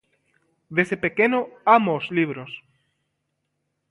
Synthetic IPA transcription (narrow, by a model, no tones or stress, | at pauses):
d̪esepekenoamozliβɾos